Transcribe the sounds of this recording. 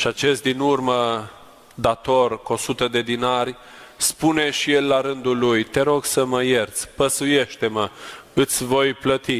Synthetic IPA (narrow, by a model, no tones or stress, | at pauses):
ʃiat͡ʃe̞st̪̚d̪inurmə | d̪at̪o̞rkosut̪əd̪e̞d̪inarʲ | spune̞ʃije̞lːaɾɨnd̪ulujt̪e̞ɾo̞ɡsəməje̞rt̪sʲpəsuje̞ʃt̪e̞məɨt̪sʲvo̞jplət̪i